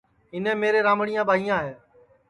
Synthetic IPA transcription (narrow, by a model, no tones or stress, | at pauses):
ɦɪnẽːmeːɾeːɾãːmɽijãːbʱaːiːãːɦeː